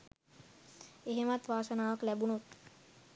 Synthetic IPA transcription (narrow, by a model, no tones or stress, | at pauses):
eɦemat̪ʋaːsənaːʋaklæbunot̪